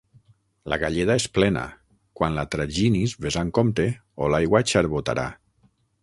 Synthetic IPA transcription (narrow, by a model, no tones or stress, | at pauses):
la̰ɣaʎeðaesplɛna̰ | kwanlat̪ɾaʒinizβezaŋkomt̪e | olajɣwat͡ʃaɾβot̪a̰ɾa̰